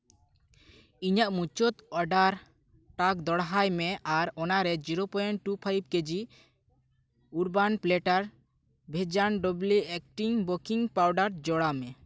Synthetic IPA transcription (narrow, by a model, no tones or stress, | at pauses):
iɲaʔmut͡ʃɔt̪ɔɖaɾ | ʈak̚d̪ɔɽɦajmɛʔaɾɔnaɾɛd͡ʒiɾopɔjɛnʈupʰajb̚ked͡ʒi | uɾbanpleʈaɾ | bʱed͡ʒanɖɔbluɛk̚ʈiŋbokiŋpawɖaɾd͡ʒɔɽamɛ